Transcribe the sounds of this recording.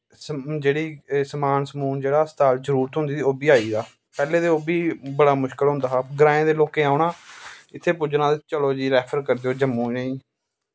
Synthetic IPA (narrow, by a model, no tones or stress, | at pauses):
sd͡ʒeːɽiːsəmaːnsəmuːnd͡ʒeːɽaːst̪aːlzəɾuːɾt̪ɦʊ̃nd̪iːiːoːbiːaːiːd̪aː | pɛːleːd̪eoːbiːbəɽaːmʊʃkəlɦʊ̃nd̪aːaːɡəɾãːẽːd̪eːloːkẽːaːʊɳãːɪt̪ʰːeːpʊd͡ʒnãːet͡ʃəloːd͡ʒiːɾɛːpʰəɾkəɾd̪eːoːd͡ʒəmːũːnəĩː